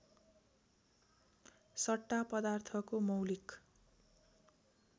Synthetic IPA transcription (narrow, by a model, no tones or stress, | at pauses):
sʌʈːapʌd̪art̪ʰʌkomʌwlik